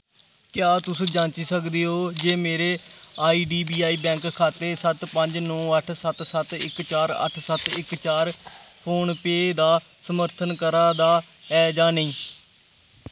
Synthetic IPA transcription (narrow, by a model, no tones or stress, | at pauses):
kjaːt̪ʊsũːd͡ʒãːnt͡ʃiːsəkd̪eːɦoːd͡ʒeːmeːɾeːaːiːɖiːbiːaːiːbɛ̃ːŋkkʰːaːt̪eːsət̪pəɲd͡ʒnɔ̃ːəʈʰsət̪sət̪ɪ̰kt͡ʃaːɾə̰ʈʰsət̪ɪkt͡ʃaːɾpʰoːnpeːd̪aː | səməɾt̪ʰənkəɾaːd̪aː | ɛːd͡ʒaːnəĩː